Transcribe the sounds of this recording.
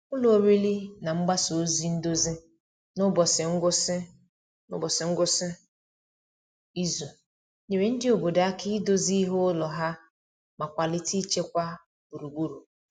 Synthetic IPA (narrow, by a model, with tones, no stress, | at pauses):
ʊ˦lɔ˨o˨ɾe˦li˦na˨ŋ͡m̩˦ɡ͡ba˦so˨o˦zi˦n̩˦do˦zi˦ | nʊ˦bɔ˨sɪ˨ŋ̩˦ɡʷʊ˦sɪ˦ | nʊ̰˦bɔ˨sɪ˨ŋ̩˦ɡʷʊ˦sɪ˦ | i˦zu˨ | ɲe˨ɾe˨n̩˦dɪ˦o˨bo˨da˨a˦kɪ˦do˦zi˦i˦ɦo˦lɔ˨ɦa˦ | ma˨kʷa˨lɪ˦ti˦i˦t͡ʃe˦kʷa˦ | b̥u˨ɾu˨ɡ͡bu˦ɾu˨